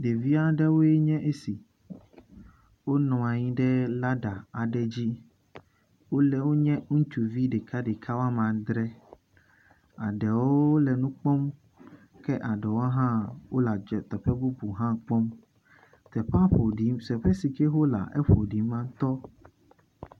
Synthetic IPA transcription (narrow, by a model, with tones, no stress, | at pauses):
ɖe˨vi˦a˦ɖɛ˦wo˦e˦ɲɛ̃˦ʔe˦si˨ | wo˦nɔ̃˨a˨ɲĩ˦ɖɛ˦la˦ɖa˨a˨ɖɛ˦d͡ʑi˦ | wo˦lɛ˨wo˦ɲɛ̃˦ŋ̩˦t͡ʃu˨vi˦ɖe˨kʰa˦ɖe˨kʰa˦wa˦mã˨d̪ɾɛ˦ | a˨ɖɛ˨wo˦lɛ˨nũ˦k͡pɔ˦m | kɛ˦ʔa˨ɖɛ˨wo˦ɦã˦wo˦la˨d͡ʒɔ˨t̪ɛ˨ɸɛ˦bu˦bu˨ɦã˦k͡pɔ˦m | t̪ɛ˨ɸa˦ɸo˨ɖi˨˦msɛ˨ɸɛ˦si˨kɛ˦xo˦la̰˨ʔɛ̰˦ɸo˨ɖi˨˦mːã˦t̪ɔ˦